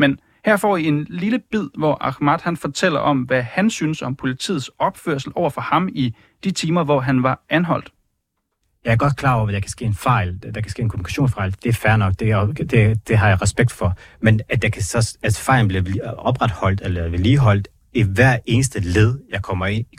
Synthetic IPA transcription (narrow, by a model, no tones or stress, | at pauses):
men | hæɐ̰fɒ̰ːie̝nliləb̥ið̰ˠʋɒʔɑ̈ɡ̥mæd̥hænfɒt͡sʰel̰ɐʔɒ̽mʋæhænsyːnəsɒ̽mpʰo̝lit͡sʰḭːð̩ˠsɒ̽b̥føɐ̰sl̩ʔɒʊɐfɒhɑ̈mi | d̥it͡sʰiːmɐʋɒɦænʋɑ̈ænɦɒ̽l̰d̥ | jɑ̈ɪæɐɡɒ̽d̥̚kʰlɑ̈ːɒ̰ɐʋjɑ̈ɪkʰæsɡ̥e̝̰ːenfɑ̈ɪld̥ɑkʰæ̥sɡ̥ḛːenkʰomunikʰæɕo̝̰ːnsfɑ̈ɪld̥e̝æɐfæɐnɒ̽ɡ̥̚d̥e̝d̥e̝d̥e̝ɦɑ̈jɑ̈ɪʁɛsb̥eɡ̥̚d̥fɒ̽menæjɑ̈kʰæsɒsæsfɑ̈ɪ̰ln̩b̥liɐɒb̥ʁad̥hɒ̽l̰d̥elɐeliːɦɒ̽l̰d̥ | iʋæɐ̰e̝ːnəsd̥əle̝ð̞ˠjɑ̈ɪkʰɒ̽m̰ɐe̝n̰i